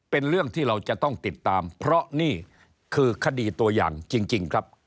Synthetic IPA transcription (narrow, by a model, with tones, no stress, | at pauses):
pe˧nɾɯ˥˩əŋt̪ʰiː˥˩ɾa˧wt͡ɕa˨˩t̪ɔ˥˩ŋt̪i˨˩t̪ːaː˧mpʰɾɔ˦˥ʔniː˥˩ | kʰɯː˧kʰa˧diː˧t̪u˧ɐja̰ː˨˩ŋt͡ɕi˧ŋt͡ɕi˧ŋkʰɾa˦˥p̚